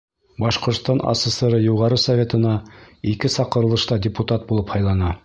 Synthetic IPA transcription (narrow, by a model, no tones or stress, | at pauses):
bɑʃqŏɾt̪st̪ɑnʔɑ̰sʲesɤɾɤjuʁɑɾɤsɐvʲe̞t̪ɤ̆nɑikɘsɑqɤ̆ɾɤ̆lˠɤ̆ʃt̪ɑdʲɪput̪ɑt̪̚bulˠɤphɑjlˠɑnɑ